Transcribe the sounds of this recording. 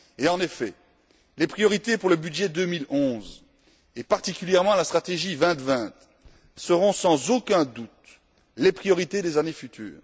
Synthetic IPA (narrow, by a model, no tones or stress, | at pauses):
eɑ̃nefɛ | lepχijɔʁit̪epuʁləbyd̪ʒɛd̪ømilɔ̃z | epaʁt̪ikʲyljɛʁmɑ̃last̪χat̪eʒivɛ̃t̪vɛ̃t̪ | səʁɔ̃sɑ̃zokʲɛ̃d̪ut̪ | lepχijɔʁit̪ed̪ezanefyt̪ʰy̰ːʁ